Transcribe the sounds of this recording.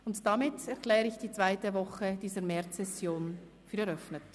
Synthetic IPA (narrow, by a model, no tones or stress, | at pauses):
ʊntd̥amɪtɛʁkl̥ɛːɾəɪçd̥iːt͡sv̥aɪtəvɔχəd̥iːzəɾmɛʁt͡sɛsjoːn | fyːɾɛɾœfnət